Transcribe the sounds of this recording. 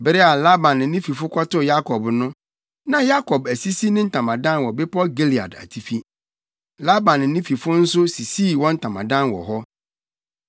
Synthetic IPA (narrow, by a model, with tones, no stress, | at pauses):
bɾe˦a˨la˦bã˨n̩˦nɪ̃˦fi˨fʊ˦kʷʰɔ˦tʊ˦ja˦kʰɔ˨bnʊ̃˦ | nã˨ja˦kʰɔ˨bæ˨si˦si˦nɪ̃˦n̩˦tʰã˨mã˨dã˦nwɔ˨bɪ˦pɔ˦ɡe˦li˨a̰˨da̰˨tʰi˨fi˦ | la˦bã˨nː˦ɪ̃˦fi˨fʊ˦n̩˦sʊ˦si˨si˦˨wɔ̃˦n̩˦tʰã˨mã˨dã˦nwɔ̰˨ɦɔ˦